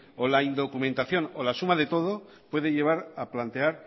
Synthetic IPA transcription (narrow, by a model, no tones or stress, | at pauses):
olaind̪o̞kumẽ̞nt̪aθjo̞nolasumaðe̞t̪o̞ð̞o̞ | pwe̞ðeʝe̞β̞aɾaplant̪e̞aɾ